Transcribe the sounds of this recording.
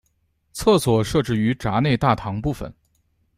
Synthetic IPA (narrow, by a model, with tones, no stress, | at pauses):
t͡sʰɤ˥˩swɔ˨˩ʂɤ˥˧ʈ͡ʂɻ̩˥˩y˧˥ʈ͡ʂa˧˥ne˥˧ɪt̪a˥˩t̪ʰɑ˧˥ŋpu˥˩fə̰˨˩˦n